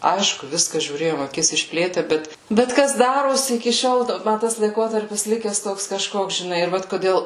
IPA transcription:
ˈɐɪʃkʊ ˈʋʲɪskɑː ʒʲuːˈrʲeːjoːm ɐˈkʲɪs ɪʃʲˈpʲlʲeːtʲæː ˈbʲɛt bʲɛt ˈkɐs ˈdɑːroːsʲɪ ɪkʲɪ ˈʃʲoːlˠ ˈmɐ ˈtɐs lˠɐɪˈkoːtɐrʲpʲɪs ˈlʲɪkʲɛs ˈtoːks kɐˈʃkoːks ʒʲɪˈnɐɪ ɪr ˈʋɐt koːˈdʲeːlˠ

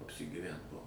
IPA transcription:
ɐpʲsʲɪɡʲiːˈʋʲɛnt ˈbuɔ

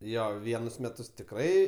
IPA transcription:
ˈjoː ˈʋʲiɛnʊs ˈmʲæːtʊs tʲɪkˈrɐɪ

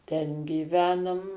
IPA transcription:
ˈtʲɛn ɡʲiːˈʋʲæːnʊm

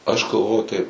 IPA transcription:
ɐʃ ɡɐlˠˈʋoː tɐɪp

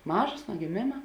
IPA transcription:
ˈmɑːʒoːs nuɔ ɡʲɪˈmʲeːmɐ

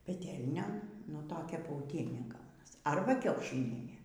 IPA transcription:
pʲɛˈtʲɛlʲnʲoːn nʊ toːˈkʲɛ pɐʊˈtʲiɛnʲeː ˈɡɐʊnɐs ˈɐrbɐ ˈkʲɛʊʃʲɪnʲiɛnʲeː

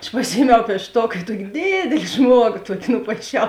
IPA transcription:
ɐʃ pɐˈsʲɪjiɛmʲɛʊ pʲiɛʃˈtoːk ɪ ˈtuɔkʲɪ ˈdʲeːdʲeːlʲɪ ˈʒmuɔɡoː ˈtuɔkʲɪ nʊpɐɪˈʃʲɛʊ

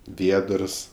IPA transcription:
ˈʋʲiɛdərs

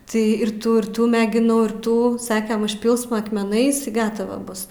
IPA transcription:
tɐɪ ɪr ˈtuː ɪr ˈtuː mʲɛɡʲɪˈnɐʊ ɪr ˈtuː ˈsɑːkʲɛm ʊʃʲˈpʲɪlˠsmɐ ɐkmʲɛˈnɐɪs ɪ ˈɡɑːtɐʋɐ ˈbʊs

